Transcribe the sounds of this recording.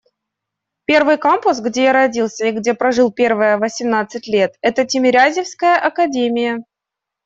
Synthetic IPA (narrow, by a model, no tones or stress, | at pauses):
pʲe̞rvɨjkompʊs̬ɡdʲe̞jaɾɐdʲilˠsʲəɪɡdʲe̞pɾɐʐɨlˠpʲe̞rvəjəvəsʲɪmnat̪sɨtʲlʲe̞t̪ɛt̪ətʲɪmʲɪɾʲazʲɪfskəjəʔɐkɐdʲemʲɪjə